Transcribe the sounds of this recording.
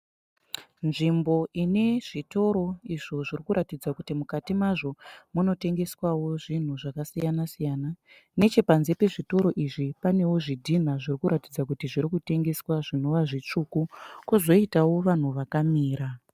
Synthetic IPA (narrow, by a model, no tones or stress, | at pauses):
nʐimbo̞ine̞ʐito̞ɾo̞iʐo̞ʐirikuɾʔatid͡zakutimukatimaʐo̞muno̞te̞ŋɡe̞swawo̞ʐin̤uʐakasijanasijana | ne̞t͡ʃe̞panze̞pe̞ʐito̞ɾo̞ʔiʐipane̞wo̞ʐidʱin̤aʐirikuɾatid͡zak̬utiʐiɾikute̞ŋɡe̞swaʐino̞ʋaʐit͡ʂukukuzo̞itawo̞ʋan̤uʋakamiːɾa